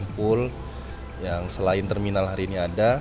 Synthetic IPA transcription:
mpʊl | jaŋsəlaɪnt̪ɛrminalɦaɾiːniada

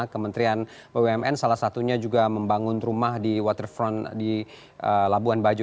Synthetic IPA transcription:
kəmənt̪ɾian | bəweɛmʔɛnsalahsat̪uɲad͡ʒuɡaməmbaŋʊnrumahdiwɔt̪ərfɾɔndi | ʔəlabuanbad͡ʒu

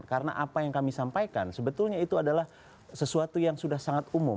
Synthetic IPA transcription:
kaɾəna̰ʔapajaŋkamisampajkansəbət̪ʊlɲait̪uadalah | səsuat̪ujaŋsudahsaŋat̪umʊ

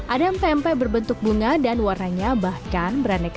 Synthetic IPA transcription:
ʔadampɛmpɛbərbənt̪ʊk̚buŋadanwaraɲabahkanbəɾanak

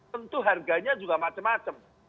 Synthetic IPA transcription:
ənt̪uɦarɡaɲad͡ʒuɡamat͡ʃəmːat͡ʃəm

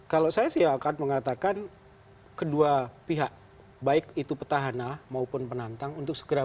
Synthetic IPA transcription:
kalosajasiaːkanməŋat̪akan | kəduapiɦaʔ | baɪkit̪upət̪aɦanamaupʊnpənant̪aŋunt̪ʊk̚sə̥ɡəɾa

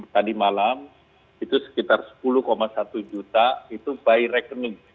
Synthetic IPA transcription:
t̪adimalam | it̪usə̥kit̪arsə̥puluhkomasat̪ud͡ʒut̪ait̪ubairɛkənɪŋ

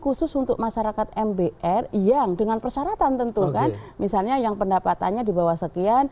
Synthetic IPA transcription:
kusʊsunt̪ʊk̚maʃaɾakat̪̚ɛmbeʔɛrjaŋdəŋanpərsaɾat̪ant̪ənt̪ukanmisalɲajaŋpəndapat̪a̰nɲadibawahsəkian

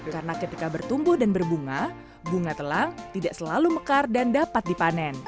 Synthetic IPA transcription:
karənakət̪ikabərt̪umbʊhdanbərbuŋa | buŋat̪əlaŋt̪idaʔsəlaluməkardandapat̪̚dipanɛn

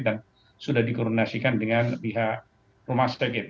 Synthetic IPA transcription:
dan | sudahdikɔɾnasikandəŋanəbiɦaʔ | rumast̪əkit̪

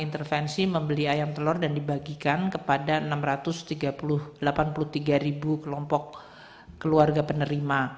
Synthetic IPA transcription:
int̪ərfɛnsiməmbəliajamt̪əlɔrdandibaɡikankəpadaənamrat̪ʊst̪iɡapulʊhdəlapanpulʊht̪iɡaɾibukəlɔmpɔk̚ː | əluarɡapənəɾima

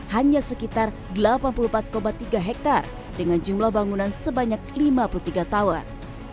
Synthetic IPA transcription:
haɲasəkit̪ar | dəlapanpulumpat̪̚kobat̪iɡaɦɛk̚t̪ar | dəŋand͡ʒumlahbaŋunansəbaɲak̚limapulut̪iɡat̪awar

